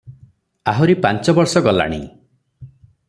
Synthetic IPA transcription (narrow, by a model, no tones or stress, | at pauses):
aɦoɾipant͡ʃɔbɔɾsɔɡɔla̰ɽ̃ḭ